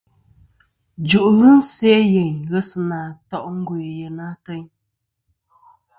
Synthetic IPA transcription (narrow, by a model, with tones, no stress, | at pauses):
d͡ʒu˨ʔlɨ˦n̩˦sɛ˦jɛ˨ɲɣə˦sɨ˨naː˨tɔ˦˨ʔŋ̩˦ɡu˨jə˨na˦tə˦ɲ